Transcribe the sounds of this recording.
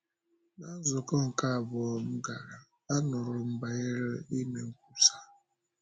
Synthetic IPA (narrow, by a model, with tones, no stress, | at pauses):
na˦zʊ˨kɔ˦ŋ̩˨ka˦a˨bɔ˨ɔ˦m̩˦ɡa˨ɾa˨ | a˦nʊ˨ɾʊ˨m̩˦ba˨e˦ɾe˦i˦ne˨ŋ̩˦ku˦sḁ˦